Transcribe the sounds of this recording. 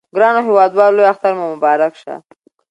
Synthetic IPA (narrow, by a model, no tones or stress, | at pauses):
ɡɾɑnoɦɪwɑd̪wɑllojaxt̪aɾmamʊbɑɾakʃa̰